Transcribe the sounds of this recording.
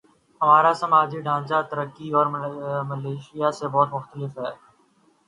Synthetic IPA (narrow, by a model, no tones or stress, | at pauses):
ɦɐmaːɾasɐmaːd͡ʒiɖʱãːnd͡ʒat̪əɾəkːiɔːɾmɐleːʃɪjasebɔːt̪mʊxt̪əlɪfɦɛː